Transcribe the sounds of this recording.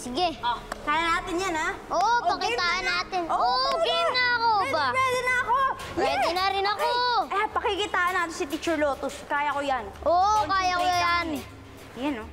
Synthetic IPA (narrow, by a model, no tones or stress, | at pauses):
sɪɡɛokaːjɐnaːt̪ɪnjanaʔoʔpɐkɪaːʔɐnːaːt̪ɪnoopiŋɐɐkobapwɛːd̪ɛnɐɐkopwɛːd̪ɪnɐɾɪnɐkopɐkikɪt̪aːʔɐnːaːt̪ɪnsɪt̪ɪt͡ʃɛɹloːt̪oskaːjɐkojanʔoːʔkkaːjɐkojan | jano